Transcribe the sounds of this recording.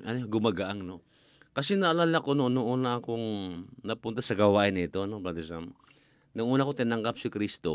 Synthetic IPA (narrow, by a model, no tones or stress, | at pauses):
ʔɐnoɡʊmaɡaʔaŋno | kɐsɛnɐʔɐlaːlakononʊŋʔuːnɐʔɐkoŋnɐpʊnt̪asɐɡɐwaːʔɪnɪt̪o̞nopad̪osam | nʊŋʔuːnakot̪ɪnɐŋkap̚sɪkɾist̪o̞